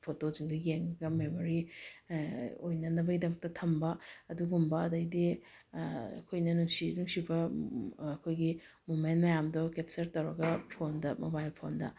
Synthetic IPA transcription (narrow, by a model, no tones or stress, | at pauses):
pʰotoziŋdɐjeŋɐɡɐmemoɾi | o̰jnɐnɐbɐɡidɐmɐk̚tɐtʰɐmbɐɐduɡumbɐɐdɐjdi | ɐ̰kʰojnɐnuŋsinuŋsibɐː | kʰojɡi | mumentmɐjamdɔkep̚sɐɾtɐwɾɐɡɐpʰondɐmobajlpʰondɐ̰